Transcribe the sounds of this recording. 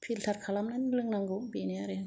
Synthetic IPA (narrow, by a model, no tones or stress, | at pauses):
pʰiltʰaɾkʰalamnanlɯŋnaŋɡubiniaɾɯ